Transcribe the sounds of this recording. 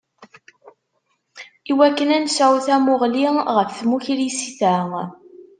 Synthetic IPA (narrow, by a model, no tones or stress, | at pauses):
iwækːənænsæwθæmʊʁliʁəfθmuçɾisiθæ